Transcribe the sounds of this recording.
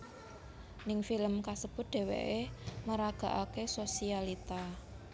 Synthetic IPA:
nɪŋfiləmkasəb̥ʊ̤t̪̚d̪̥e̤wḛʔeməɾaɡ̥a̤ʔakesosialit̪a

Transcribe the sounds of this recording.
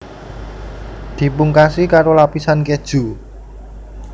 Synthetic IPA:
d̪̥i̤puŋkasikaɾolapisanked̥ʒ̥ṳ

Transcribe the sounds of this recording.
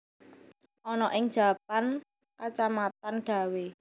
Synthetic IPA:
ʔɔnɔʔɪŋd̥ʒ̥a̤pan | kat͡ʃamat̪anɖ̥ä̤we

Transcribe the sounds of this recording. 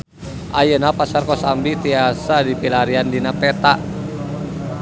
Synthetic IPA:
ʔajənapasarkɔsambit̪iasadipilaɾiandinapɛt̪aʔ

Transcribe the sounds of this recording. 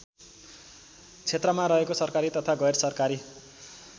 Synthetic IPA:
t͡sʰet̪rʌmaɾʌɦekosʌrkaɾit̪ʌt̪ʰaɡʌjrsʌrkaɾi

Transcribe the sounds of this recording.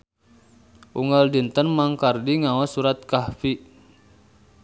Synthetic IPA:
ʔuŋɡaldint̪ənmaŋkardiŋawasuɾat̪̚kahfi

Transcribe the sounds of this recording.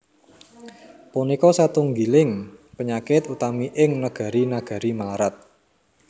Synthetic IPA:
punikɔsat̪uŋɡilɪŋpəɲakɪt̪ut̪amiʔɪŋnəɡ̥a̤ɾinaɡ̥a̤ɾimaɾat̪̚

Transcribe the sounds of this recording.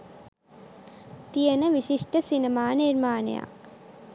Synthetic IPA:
t̪ijɐnɐʋiɕiʂʈɐsinɐmaːniɾmaːnɐ̰ja̰ː

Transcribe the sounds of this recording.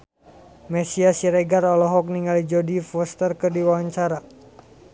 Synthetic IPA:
mɛsiasiɾeɡarɔlɔɦɔk̚niŋalid͡ʒodifɔst̪ərkɨrdiwawaɲt͡ʃaɾa

